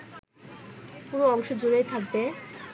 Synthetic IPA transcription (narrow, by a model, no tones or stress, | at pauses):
puɾoɔŋʃod͡ʑuɾejt̪ʰak̚be